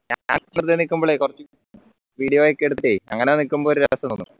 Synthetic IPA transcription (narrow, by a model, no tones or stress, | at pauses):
ɲa̰ːɲa̰ːnɐnrt̪ienikʲːumboːɭekurɐt͡ɕːu | ʋiːɽijoːjokːeɽut̪ːiʈːejiɐ̰ŋːɐnenikːumboːɾɾɐʋɐsɐnonːṵ